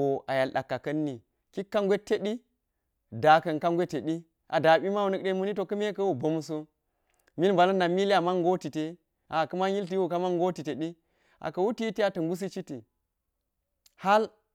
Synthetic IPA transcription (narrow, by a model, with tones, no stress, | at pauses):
o˨a˨ja˨lɗa˨kːa˨kɐ˦nːi˨ | ki˦kːa˦ŋɡʷe˦te˦ɗi˦ | da˨kɐ˨nka˦ŋɡʷe˦te˨ɗi˦ | ʔa˨da˨ɓi˦ma˦wu˦nɐ˦k̚ɗe˦nmu˦ni˦to˨kɐ˦me˦kɐ˦wo˨bo˨˦m˦so˦ | mi˦lba˨lɐ˦nda˨mi˦li˦a˨ma˦ŋɡo˦ti˨te˦ | a˨kɐ˦ma˦ji˦lt̬i˦o˨ka˦ma˦ŋɡo˦ti˨te˨ɗi˦ | a̰˨kɐ˨wu˦ti˦ti˦a˨tɐ˨ŋɡu˦s̬i˦t͡ʃi˦ti˨ | ha˦l